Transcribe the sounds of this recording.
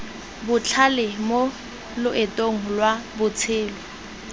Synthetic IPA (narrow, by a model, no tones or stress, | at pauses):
bʊt͡ɬʰalɪmo | lʊʔɪtʼoŋ̩lwabʊt͡sʰɪːlɔ